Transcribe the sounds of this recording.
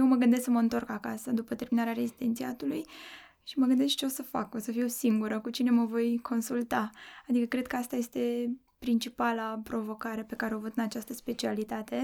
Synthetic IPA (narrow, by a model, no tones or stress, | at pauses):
jewməɡɨnd̪esksəməɨnt̪o̞rkakasəd̪upət̪e̞rminaɾeaɾe̞zid̪ent̪siat̪uluj | ʃiməɡɨnd̪eskt͡ʃe̞osəfa̰ko̞səfiwsiŋɡuɾəkut͡ʃine̞məvo̞jkʰo̞nsult̪aad̪ikəkɾe̞d̪̚kəast̪aje̞st̪e̞ | pɾint͡ʃipalapɾo̞vo̞kaɾe̞pe̞kaɾeovət̪ɨnat͡ʃast̪əspe̞t͡ʃialit̪at̪e̞